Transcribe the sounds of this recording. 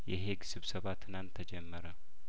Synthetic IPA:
jɛɦeɡsɨβsəβat̪ʰɨnant̪ʰːəd͡ʒɛmːəɾə

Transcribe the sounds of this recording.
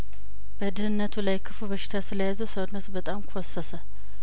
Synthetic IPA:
b̥əd̪ɨhɨnːət̪ʰulajkʰɨfubəʃɪ̥t̪ʰasɨləjazəwsəwnːət̪bət̪ʼamkʰosːəsə

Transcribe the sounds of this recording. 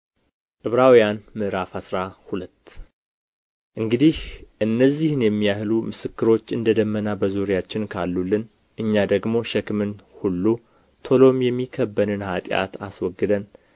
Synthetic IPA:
t̪ʼɨβɾawijanmɨʔɾafasɾahulət̪ː | ʔɨŋɡɨd̪ihʔɨnːəzːihɨnjɛmːijahlumɨsɨkːɨɾo̞t͡ʃːɨnd̪əd̪əmːənabəzuɾjat͡ʃːɪnkʰalːulːɨn | ʔɨɲːad̪əɡmo̞ʃɛkmɨnhulːu | t̪ʰo̞lo̞mjɛmːikʰəbːənɨnhat̪ʼja̰t̪aswɔɡːɨd̪ən

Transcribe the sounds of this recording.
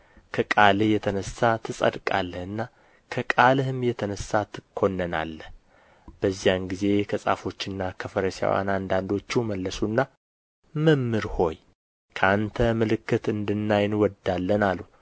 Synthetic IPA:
kʰəkʼalɨjɛt̪ʰənəsat̪ʰɨsʼə̰d̪kʼalːəhɨnːa | kʰəkʼalɨhɨmjɛt̪ʰənəsːat̪ʰɨkʰːo̞nːəna̰lːə | b̥əzːijanɡize̞kʰəsʼa̰fo̞t͡ʃːɪnːakʰəfəɾəsa̰wa̰nand̪and̪o̞t͡ʃːuməlːəsunːa | məmːɨɾho̞j | kʰəant̪ʰəmɨlɨkːɨt̪ɨnd̪ɨnːajnwɔd̪alːənalːu

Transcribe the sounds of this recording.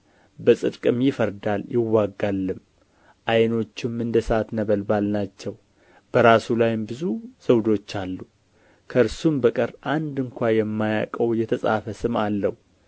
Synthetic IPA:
bəsʼɨd̪kʼɨmjɪfəɾd̪aljɪwːaɡːalːɨm | ʔajno̞t͡ʃːɪmɨnd̪əsəat̪nəβəlbalnat͡ʃːɛw | b̥əɾasulajɪmbɨzuz̥əwd̪o̞t͡ʃːalːu | kʰəɨɾsumbəkʼəɾʔand̪ɨŋkʷajɛmːaja̰kʼəwjɛt̪ʰəsʼa̰fəsɨmalːəhu

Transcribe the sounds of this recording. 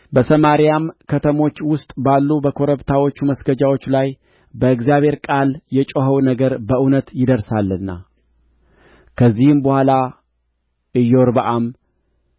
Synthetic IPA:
bəsəmaɾijamkʰət̪ʰəmo̞t͡ʃːwʊst̪ʼbalːubəkʰo̞ɾəβt̪ʰawo̞t͡ʃːuməsɡəd͡ʒawo̞t͡ʃːlaj | bəɨɡzijaβhe̞ɾkʼaljɛt͡ʃʼoɦəwnəɡəɾbəʔɨnət̪jɪd̪əɾsalːɨnːa̰ | kʰəzːihɨmbəhʷala | ɨjːɛwoɾbəʔam

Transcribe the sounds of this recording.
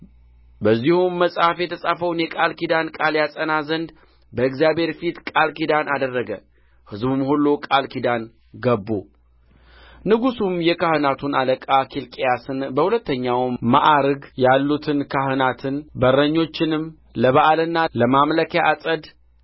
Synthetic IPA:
bəzːihumːəsʼhafjɛt̪ʰəsʼafəwnjɛkʼalkid̪ankʼaljasʼənazənd̪ | bəɨkzijabhe̞ɾfit̪kʼalkid̪anʔad̪ərːəɡə | hɨzbɨmhulːukʼalkʰid̪an | ɡəbːu | nɨɡusumjɛkahɨnat̪ʰunaləkʼakʰilkʼejasɨnbəhulət̪ːəɲːawma̰ʔaɾɡjalːut̪ʰɨnkʰahɨnat̪ʰɨnbəɾːəɲːo̞t͡ʃːɪnɨm | ləβaʔalɨnːaləmamləkjaʔasʼəd̪

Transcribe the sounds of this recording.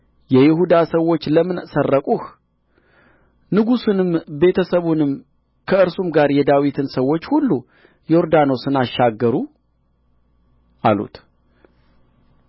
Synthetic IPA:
jɛjɪɦud̪asəwːo̞t͡ʃːləmɨnsərːəkʼuh | nɨɡusɨnɨmbe̞t̪ʰəsəβunɨm | kʰəɨɾsumɡaɾjɛd̪awit̪ʰɨnsəwːo̞t͡ʃːhulːu | jo̞ɾd̪ano̞sɨnaʃːaɡːəɾu | ʔalṵt̪

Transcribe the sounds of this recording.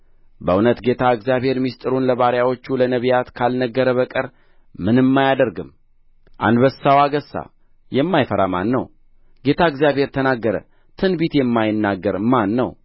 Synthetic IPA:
bəunət̪ɡe̞t̪ʰaɨɡzijaβhe̞ɾmist̪ʼɨɾunləβaɾjawo̞t͡ʃːulənəβijat̪kʰalnəɡːəɾəβəkʼəɾ | mɨnɨmːajad̪əɾɡɨm | ʔa̰nd̪bəsːawaɡəsːa̰ | jɛmːajfəɾa̰ma̰nːəw | ɡ̥e̞t̪ʰaɨɡzjaβhe̞ɾt̪ʰənaɡːəɾə̰ | t̪ʰɨnbit̪jɛmːajɪnːaɡːəɾmanːəw

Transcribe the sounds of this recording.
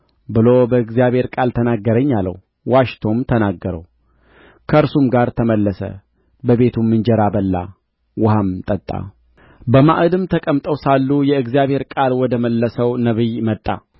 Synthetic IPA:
bɨlobəɨɡzijaβhe̞ɾkʼalt̪ʰənaɡːəɾəɲːalə̰w | waʃt̪ʰo̞mt̪ʰənaɡːəɾə̰w | kʰəɨɾsumɡaɾt̪ʰəməlːəsə̰ | bəβe̞t̪ʰumːɨnd͡ʒɛɾabəlːa̰ | wʊhamt̪ʼət̪ʼːa̰ | bəmaʔɨd̪ɨmt̪ʰəkʼəmt̪ʼəwsalːujɛɨɡzijaβhe̞ɾkʼalwɔd̪əməlːəsəwnəβɨjmət̪ʼːa̰

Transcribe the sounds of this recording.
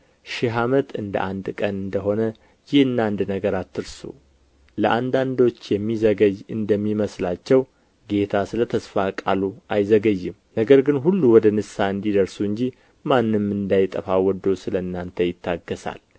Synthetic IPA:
ʃɪɦamət̪ɨnd̪ə̰ʔand̪kʼənɨnd̪əɦo̞nə | jɪhɨnːand̪nəɡəɾat̪ːɨɾsṵ | ləʔand̪and̪o̞t͡ʃːjɛmːizəɡəjɨnd̪əmːiməslat͡ʃːɛw | ɡe̞t̪ʰasɨlət̪ʰəsfakʼa̰luʔajzəɡəjːɪm | nəɡəɾɡɨnɦulːuwɔd̪ənɨsaɨnd̪id̪əɾsuɨɲd͡ʒi | manːɨmːɨnd̪ajt̪ʼəfawɔd̪osɨləɨnːant̪ʰəjɪt̪ʰːaɡːəsa̰l

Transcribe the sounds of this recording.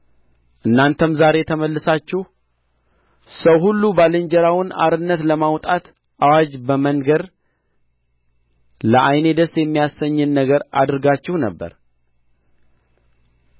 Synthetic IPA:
ʔɨnːant̪ʰəmzaɾe̞t̪ʰəməlːɨsat͡ʃːɪh | səwhulːubalɨɲd͡ʒəɾawɨna̰ɾɨnːət̪ləmawt̪ʼat̪ | ʔawad͡ʒbəməŋɡəɾ | ləʔajne̞d̪əsjɛmːijasːəɲːɨnːəɡəɾa̰d̪ɾɡat͡ʃːɪhnə̰bːə̰ɾ

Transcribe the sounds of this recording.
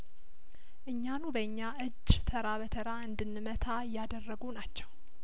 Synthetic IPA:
ʔɨɲːanubəɨɲːaʔɨd͡ʒːt̪ʰəɾaβət̪ʰəɾaɨnd̪ɨnːɨmət̪ʰajad̪ərːəɡunat͡ʃːɛw

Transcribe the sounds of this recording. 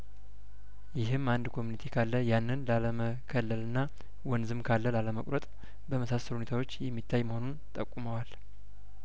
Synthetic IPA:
jɪɦɨmand̪kʰo̞munit̪ʰekʰalːəjanːɨnlaləmə | kʰəlːəlɨnːa | wɔnzɨmkʰalːəlaləməkʷʼɾət̪ʼ | bəməsasəluhunet̪ʰawo̞t͡ʃːjɛmːit̪ʰːajməho̞nunt̪ʼəkʼːuməwal

